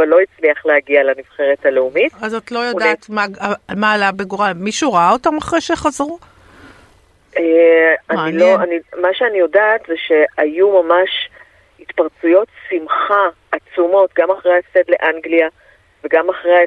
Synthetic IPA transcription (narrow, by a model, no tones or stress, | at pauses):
valːo̞it͡sliaχlehaɡialamiv̥χeʁethale̞umitazot̪lo̞jodːt̪maamaːlavbeɡuʁamiʃuʁaaotamaχʁejʃeχazʁu | eaniloanimaʃeanijo̞daːt̪zeʃe̞ajumamaʃ | it̪paʁt͡sujo̞tsimχaː | t͡sumo̞tɡamaχʁejasedleʔaŋɡlia | veɡamaχʁej